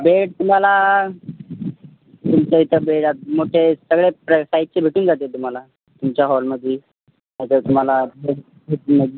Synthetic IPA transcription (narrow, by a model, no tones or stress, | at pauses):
beʈ̚t̪um̤ala | t̪umt͡ɕait̪əbeʈamoʈʰesəɡɭepɾəsait̚t͡ɕebʱeʈuːnd͡zʱat̪et̪um̤ala | t̪umt͡ɕjaɦɔlməd̪ʱːje | at̪ət̪um̤alabeɽ | eʈuməd̪